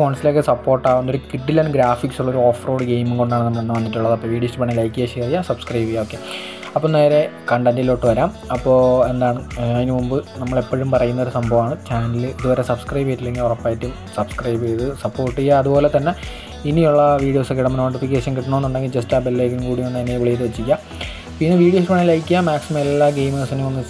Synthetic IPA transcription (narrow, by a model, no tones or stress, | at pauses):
fo̞ːɳsilo̞ːkːesɐpːoːrʈːaːʋunːoɾukiɖːilːɐnɡɾaːfiksuɭːɐoɾuoːfroːɽɨɡe̞jmuŋko̞ɳɖaːɳɨnɐmːɐɐnːʋɐɲːitʈːuɭːɐðɐpːoːʋiːɽijostːɨpɐɳːilɐjkːiɣɐɕerijasɐb̥skrɐjbiɣɐoːkːe̞ | ɐpːoːneːɾe̞kɐɳɖɐndilo̞ːʈːɨʋɐɾaːm | ɐpːoːe̞nd̪aːɳɨɐðinɨmumbɨnɐmːɐɭe̞pːɐɻumpɐrɐjunːɐoɾusɐmbʱɐʋaːɳɨt͡ɕaːnɐnɐlilɨiðuʋɐɾesɐbskrɐjbɐjitːile̞ŋɡilurɐpːaːjitːum | sɐbskrɐjbɐjðɨsɐpːo̞ːrʈːijaɐðubo̞ːlet̪ɐnːe̞ | inijuɭːɐʋiːɽijo̞ːsɨkːiɽɐmːnoːʈːifikʲːeːʂɐnkiʈːɳnoenːuɳɖe̞ŋɡild͡ʑɐstaːbelːeːkːilmkuːɽimenːɐnːeiʋiɭejðɨʋet͡ɕːikʲːa | piːnːɨʋiːɽijosʈupɐɳijlɐjkʲːijamaːksimɐelːaːɡejmesinuonːɨ